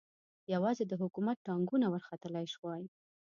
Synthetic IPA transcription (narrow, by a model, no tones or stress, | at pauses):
jawɑzed̪əɦʊkumat̪̚ʈɑŋɡunawəɾxat̪əlajʃwɑj